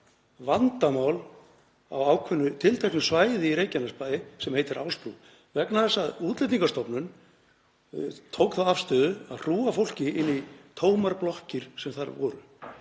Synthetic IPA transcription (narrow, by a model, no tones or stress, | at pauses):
vant̪amaːwl | a̰waːwkʰvʏnːʏt̪ʰɪlt̪ʰɛhknʏsvaːjðɪiɾejcanaspajðɪsɛmhejt̪ɪɾʔaːwsp̪u | vɛknaθɛsːaðuːt̪lejt̪iŋkast̪ɔpnʏn | t̪ʰowkθaðafst̪œːðʏaðr̥uːafowl̥cɪɪnːit̪ʰoːwmaɾplɔhcɪɾ̥sɛmθaɾvɔːɾʏ̰